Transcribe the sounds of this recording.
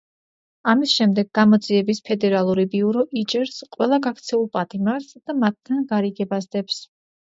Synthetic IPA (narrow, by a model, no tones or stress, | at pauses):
amisʃɛmd̪ɛɡːamɔd̪ziɛbispʰɛd̪ɛɾalˠuɾibiuɾɔʔit͡ʃʼɛɾsqʼwɛlˠaɡakʰt̪sʰɛulˠpʼat̪ʼimaɾsd̪̥amat̪̚ʰːanɡaɾiɡɛbasd̪ɛps